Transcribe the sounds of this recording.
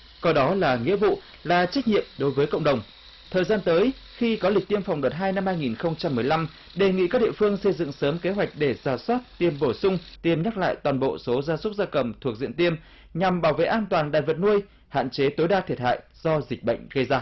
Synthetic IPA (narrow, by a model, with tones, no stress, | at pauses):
kɔ˨˦ɗɔ˨˦laː˨˩ŋḭ˧˥əvṵ˧˨ | laː˨˩t͡ɕa˦˥k̟̚ɲḭ˧˨əmɗo˨˦jvəː˨˦jkə̰˧˨wŋ͡mɗə˨˩wŋ͡m | t̪ʰəː˨˩jzaː˧nt̪əː˨˦j | xi˧kɔ˨˦lï˨˩k̚t̪i˧əmfa˨˩wŋ͡mɗəː˨˩t̚ɦaː˧jna˧mhaː˧jŋi˨˩nxə˧wŋ͡mt͡ɕa˧mːɨ˨˩əjla˧m | ɗe˨˩ŋḭ˧˨kaː˦˥k̚ɗḭ˧ə˨fɨ˧əŋsə˧jzɨ̰˧˨ŋsəː˨˦mke˨˦ɦwa˨˩jk̟̚ɗe˧˩zaː˧˩swaː˦˥t̚t̪i˧əmɓo˧˩sʊ˧ŋ͡mt̪i˨˩əmɲə˦˥la̰ː˧˨jt̪waː˨˩nɓo̰˧˨so˨˦zaː˧sʊ˦˥k͡p̚zaː˧kə˨˩mt̪ʰu˨˩ək̚zḭ˧˨ənt̪i˧əm | ɲa˨˩mɓaː˧˩wvḛ˧˨ʔaː˧nt̪waː˨˩nɗa̰ː˧˨jvə˨˩t̚nu˧əj | ha̰ː˧˨nt͡ɕe˨˦t̪o˨˦jɗaː˧t̪ʰi˨˩ət̚ha̰ː˧˨jz̥ɔ˧zi˨˩k̟̚ɓə̰˧˨jŋ̟ɣə˧jzaː˧